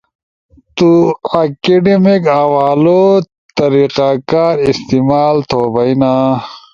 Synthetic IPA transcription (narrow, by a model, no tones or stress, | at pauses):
t̪uɐkeɖemikawaːlo | t̪ɐɾiːqaːkaːɾist̪imaːlt̪ʰoːbɐjna